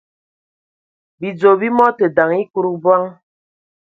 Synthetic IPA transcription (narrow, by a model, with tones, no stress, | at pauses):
bi˨d͡zo˨bi˦mɔ˦te˨da˨ŋi˦ku˦ɾu˦bwa˦ŋ